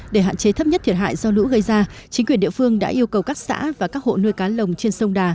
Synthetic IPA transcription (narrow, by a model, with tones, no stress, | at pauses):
ɗe˧˩ɦa̰ː˧˨t͡ɕe˨˦t̪ʰə˦˥p̚ɲə˦˥t̪ʰi˨˩ət̚ɦa̰ː˧˨jzɔ˧lṵ˧˥ɣə˧jzaː˧t͡ɕï˨˦ŋkwənɗi˧˨əfɨ˧əŋɗa̰ː˧˥ʔi˧əwkə˨˩wkaː˦˥k̚sa̰ː˧˥vaː˨˩kaː˦˥k̚ho̰˧˨nɨ˧jkaː˨˦lə˨˩wŋ͡mt͡ɕe˧nsə˧wŋ͡mɗaː˨˩